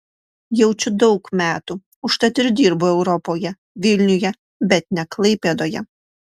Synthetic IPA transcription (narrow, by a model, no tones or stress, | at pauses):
jɛʊt͡ʃʲʊd̪ɒʊkmʲæːt̪u | ʊʃt̪ɐt̪ʲɪɾʲd̪ʲiːɾbʊɛʊɾɔpoːjɛ | ʋʲɪlʲnʲʊjɛ | bʲɛt̪̚nʲɛklˠɐɪpʲeːd̪oːjɛ̰